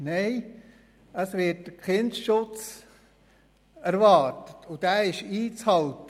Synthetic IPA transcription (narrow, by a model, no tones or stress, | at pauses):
neɪ | əsʋɪtd̥əkχɪndʃʊt͡s | æɾʋɑːɾtə̥tʰʊd̥æɪʃiːt͡shɑltə